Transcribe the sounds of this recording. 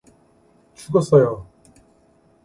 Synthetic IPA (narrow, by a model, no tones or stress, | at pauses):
t͡ɕʰuɡʌs͈ʌjo